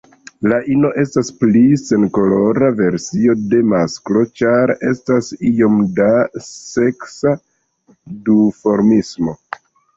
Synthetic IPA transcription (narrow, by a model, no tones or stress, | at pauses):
laʔino̞ʔe̞stasplise̞nko̞lo̞ɾave̞ɾsio̞de̞masklo̞t͡ʃaɾe̞stasio̞mdase̞ksa | dufo̞ɾmismo̞